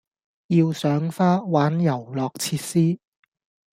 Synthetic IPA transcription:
jiː˧wsœː˨˥ŋfaː˥waː˨˥njɐ˨˩wlɔː˨k̚t͡sʰiː˧t̚siː˥

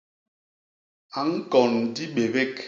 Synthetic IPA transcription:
a˨ŋ̩˦kɔ˨n˨di˦ɓe˨be˦k

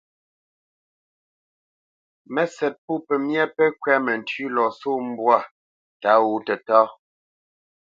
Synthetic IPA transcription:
mɛ˨sɛ˨t̚pu˦˨pɛ˨mjɛ˦pɛ˦kɥɛ˦mɛ˨n̩˨tʉ˦lɔ˨so˦˨m̩˦bwa˦˨ | ta˨˦wu˦tɛ˨tɔː˦

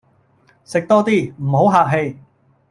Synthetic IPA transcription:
sɪ˨k̚t̪ɔː˥t̪iː˥˩m̩˨˩ɦo˨˥wɦaː˨k̚ɦe˧j

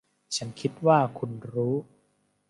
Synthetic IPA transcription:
t͡ɕʰa˦˥nkʰi˦˥t̪̚waː˥˩kʰu˧nɾuː˦˥

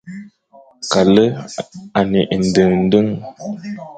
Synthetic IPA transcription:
ka˨lə˦a˨ne˨ʔn̩˨də˨ŋn̩˦dɨ˦ŋ

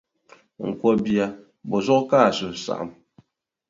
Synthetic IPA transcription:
ŋ̩˨kwɔ˦bi˨a˨ | bɔ˨zɔ˦kka˦˨su˨sa̰˨ʔm

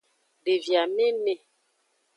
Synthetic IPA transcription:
de˨vja˨me˦ne˨

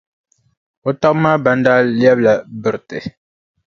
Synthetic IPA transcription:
o˦ta˦kmaː˦ba˨n˦daː˦ljɛ˦bla˨bɨ˨ɾtɨ˨

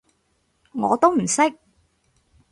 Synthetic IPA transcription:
ŋɔː˨˧t̪o˥wm̩˨˩sɪ˥k̚

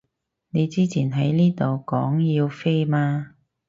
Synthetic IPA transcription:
ne˨˧jt͡siː˥t͡sʰiː˨˩nɦɐ˨˥jniː˥t̪o˨wkɔː˨˥ŋjiː˧wfe˥jmaː˧

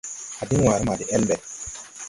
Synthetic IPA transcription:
a˨bi˦waː˨ɾi˦ma˨di˨ʔɛ˦lbɛ˨t

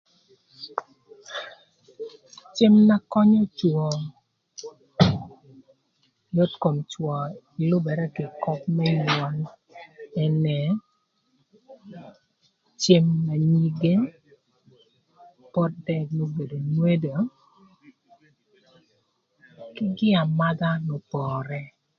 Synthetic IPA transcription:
t͡ʃɪ˦mna˦kɔ˦ɲɔ˦t͡ʃwɔ˨ | jo˦tko˨mt͡ʃwɔ˨ | i˨lʊ˦bɛ˨ɾɛ˦kɪ˨kɔ˦p̚mɛ˦ɲwɔ˨n | ɛ˦nɛ˨ | t͡ʃɪ˦mna˨ɲi˦ɡe˦ | pɔ˦t̚dɛ˦kno˦be˨do˨nwe˦do˨ | kɪ˦ɡɪ˦a˨ma˦ɡa˦nɔ˨pɔː˨ɾɛ˦

